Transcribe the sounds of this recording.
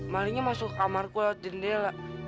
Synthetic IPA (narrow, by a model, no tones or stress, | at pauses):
maliɲamasʊkamarkuad͡ʒəndɛlaʔ